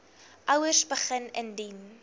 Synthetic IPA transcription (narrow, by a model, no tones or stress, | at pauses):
ʔœwərsbəχənəndin